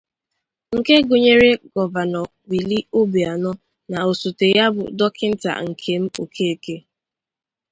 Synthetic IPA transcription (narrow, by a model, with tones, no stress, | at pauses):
ŋ̩˨ke˦ɡʊ˨ɲe˦ɾe˦ɡɔ˨va˨nɔ˨ | wi˨li˦o˦bi˨a˨nɔ˦ | na˨o˨su˨te˨ja˦bʊ̰˨dɔ˦kɪ˦n̩˦ta̰˨ŋ̩˨kʰe˦m̩˦o˨kʰe˦e˨ke˦